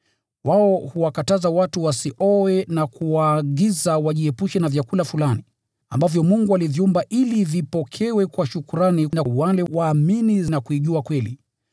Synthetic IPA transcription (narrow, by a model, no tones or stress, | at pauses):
waɔhuwakatazawatuwasiʔɔwɛnakuwaːɠizawaʄiɛpuʃɛnavjakulafulani | ambavjɔmuŋɡualiviumbaʔilivipɔkʰɛwɛkwaʃukuɾaninawalɛwaːmininakuiʄuakwɛli